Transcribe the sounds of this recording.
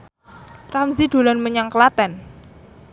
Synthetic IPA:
ramziɖ̪̥o̤lɔnməɲaŋkəlat̪ɛn

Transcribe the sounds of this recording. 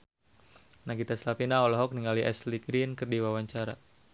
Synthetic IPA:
naɡit̪aslapinaɔlɔɦɔk̚niŋaliʔɛ̰sliɡɾinkərdiwawaɲt͡ʃaɾa

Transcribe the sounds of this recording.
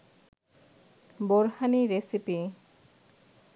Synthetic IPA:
boɾhaniɾesipi

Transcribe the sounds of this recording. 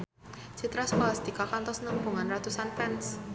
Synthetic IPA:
t͡ʃit̪ɾaskɔlasd̪ikakant̪ɔsnəmbuŋanrat̪usanpɛns

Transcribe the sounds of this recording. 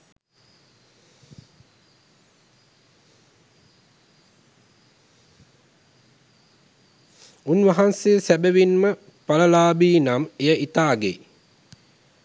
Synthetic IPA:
unʋaɦansejsæbeʋinmə | paləlaːbiːnamejəʔit̪aːɡḛ

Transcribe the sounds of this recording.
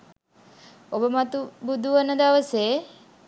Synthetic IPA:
obəmat̪ubud̪ʱuʋənəd̪aʋəseː

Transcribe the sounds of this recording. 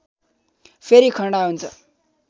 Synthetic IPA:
pʰeɾikʰʌɳɽaɦunt͡sʰʌ̰

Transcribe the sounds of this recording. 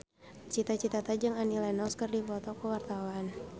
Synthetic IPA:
t͡ʃit̪at͡ʃit̪at̪ad͡ʒɨŋanilanawskərdipɔt̪ɔkəwart̪awan

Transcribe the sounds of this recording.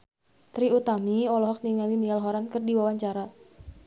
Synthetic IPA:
t̪ɾiut̪amiɔlɔɦɔk̚niŋalinialɦɔɾankərdiwawaɲt͡ʃaɾa

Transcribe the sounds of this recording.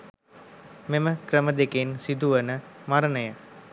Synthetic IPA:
meməkɾəməd̪ekensid̪uʋənəmaɾənəjə

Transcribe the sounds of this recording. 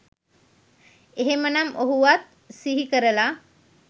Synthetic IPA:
eɦemənamʔoɦuʋat̪̚ | siɦikəɾəla

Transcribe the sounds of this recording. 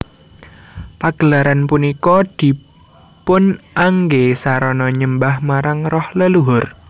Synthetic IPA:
paɡ̥əlaɾanpunikɔd̪̥i̤ | pʊnʔaŋɡesaɾɔnɔɲəmbahmaɾaŋrɔhləluɦʊr

